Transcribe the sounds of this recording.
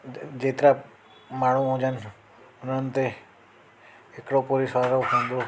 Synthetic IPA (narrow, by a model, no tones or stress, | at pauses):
d͡ʒet̪ɾa | maːɽ̃ũõd͡ʒan | ʊnənt̪e | ekɽopoɾisaɾokõnd̪o